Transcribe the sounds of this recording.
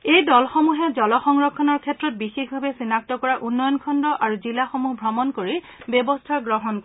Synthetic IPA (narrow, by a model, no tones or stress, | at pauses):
ejdɔlxɔmuɦɛzɔlɔxɔŋɹɔkʰːɔnɔɹkʰɛtɹɔt̚bixexbʱabɛsinak̚tɔkɔɹaʔunːɔjɔnkʰɔndɔʔaɹuzilaxomuɦbʱɹɔmɔnkoɹi | bjɔbɔstʰaɡɹɔɦɔnk